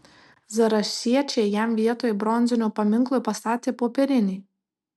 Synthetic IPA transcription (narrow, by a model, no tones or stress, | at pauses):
zɐɾɐʃʲiɛt͡ʃʲejæmʋʲiɛt̪oːjɛbɾɔnʲzʲɪnʲuːpɐmʲɪŋˑklˠʊjpɐst̪ɑːt̪ʲeːpoːpʲɛɾʲɪnʲɛ